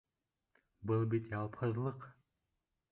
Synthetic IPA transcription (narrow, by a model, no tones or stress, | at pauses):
bɨlˠbit̪jɑlˠpʰɤzlˠɤq